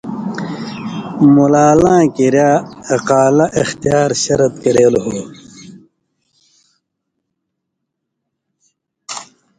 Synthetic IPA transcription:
mulaːlãːkiɾjaːɐqaːlɐʔixt̪ijaːɾɕɐɾɐt̪̚kɐɾeːlɦoː

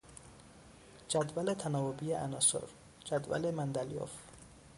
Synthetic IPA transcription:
d͡ʒæd̪vælet̪ʰænɒːvobijeʔænɒːso̰ɾ | d͡ʒæd̪væ̰lemænd̪æljo̰f

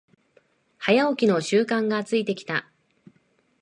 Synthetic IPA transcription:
hajaokʲino̞ɕɨːkãŋɡaːt͡sɨit̪e̞kʲi̥t̪a

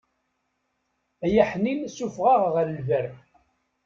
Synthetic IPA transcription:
æjæħninsufʁɑʁʁəɾlvæɾ

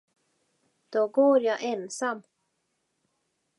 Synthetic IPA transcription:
d̪̥oɡoːɾjɑːʔɛnsamː

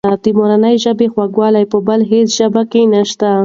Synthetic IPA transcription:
ad̪imoɾanəjʒəbexwaɡwɑlajpəbəlɦesʒ̥əbakenaʃt̪a

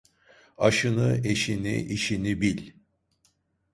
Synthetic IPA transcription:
aʃɯnɯeʃinḭʔiʃinibilʲ

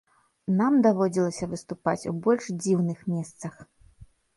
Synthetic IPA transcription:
namd̪avɔd͡zʲilˠɐsʲɐvɨst̪upat͡sʲṵbɔlʲʂd͡zʲiwnɨxmʲɛst̪sɐx

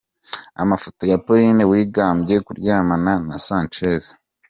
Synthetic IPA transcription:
a̰mafo̞to̞japoɾinewiːɡaːmbje̞kuɾɟaːmananasaːnt͡ʃeze̥

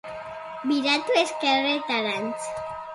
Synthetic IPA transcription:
biɾat̪ueskeret̪aɾant͡s

